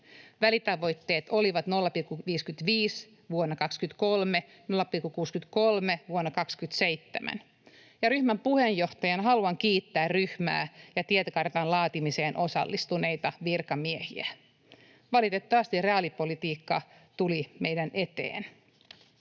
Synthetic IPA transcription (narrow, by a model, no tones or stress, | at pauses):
ʋælit̪ɑʋo̞jt̪ːe̞ːt̪o̞liʋɑt̪nolːɑpilkːuʋiːskyt̪ʋiːs | ʋuonːɑkɑkskynt̪kolme | nolːɑpilkːukuːskynt̪ko̞lmeʋuonːɑkɑkskyt̪sejt̪ːemʔæ̰n | jɑɾyhmæmpuhejjo̞ht̪ɑjɑnɦɑluɑŋk̟iːt̪ːæːrryhmæ̰ːjɑt̪iet̪ækɑrt̪ɑnlɑːt̪imise̞ːnʔo̞sɑ̰lːist̪une̞jt̪ɑʋirkɑmiehḭæ | ʋɑlit̪et̪ːɑʋɑst̪ireɑlipolit̪iːkːɑt̪ulimejdænʔe̞t̪ḛːn